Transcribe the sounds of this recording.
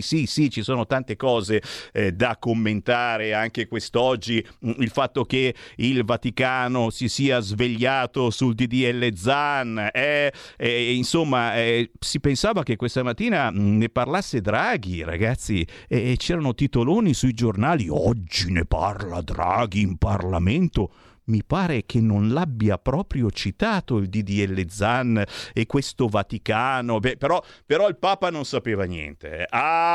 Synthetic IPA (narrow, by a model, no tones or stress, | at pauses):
sisit͡ʃisoːnot̪ant̪ekɔːzed̪akːomːent̪aːɾeaŋkekwest̪ɔd͡ʒːiilfat̪ːok̟eilvat̪ikaːnosisiːazveʎːaːt̪osuld̪id̪iɛlːed̪zanɛɛinsomːaɛsipensaːvakekːwest̪amat̪ːiːnaneparlasːed̪ɾaːɡiɾa̰ɡat̪sːi | ɛt͡ʃɛːɾanot̪it̪oloːnisuid͡ʒornaːliɔ̰d͡ʒːinepa̰rla̰d̪ɾa̰ːɡiːmparla̰ment̪o | mipaːɾek̟ʰenːonlabːiapɾɔːpɾjot͡ʃit̪aːt̪oild̪id̪iɛlːed̪zanːekːwest̪ovat̪ikaːnobɛpeɾɔpeɾɔilpaːpanonsapeːvanjɛ̰nt̪ḛɛa